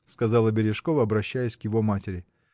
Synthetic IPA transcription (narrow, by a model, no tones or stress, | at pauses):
skɐzɑlˠəbʲɪɾʲɪʂko̞vəɐbɾɐɕːæjɪsʲkjɪvo̞matʲɪɾʲɪ